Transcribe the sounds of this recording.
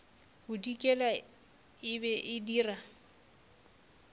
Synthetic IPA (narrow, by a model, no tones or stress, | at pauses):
bʊdikʼɛla | ɪbɛʔɪdiːra